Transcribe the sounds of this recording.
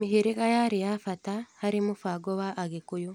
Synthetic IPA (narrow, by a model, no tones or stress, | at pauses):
miɦiɾiɣajaɾijafatahaɾimufaɡoβaʔːɡekujo